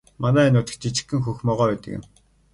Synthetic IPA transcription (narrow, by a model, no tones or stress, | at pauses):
manæːænʊːt̪ə̥̆kt͡ɕit͡ɕɪ̥̆xɘ̆ŋxuxʲmɔːʁœːpæːt̪ə̆kḛn